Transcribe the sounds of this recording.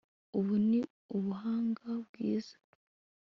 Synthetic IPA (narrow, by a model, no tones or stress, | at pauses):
uβuni | uβuɦaːŋɡabɡiːz̥ḁ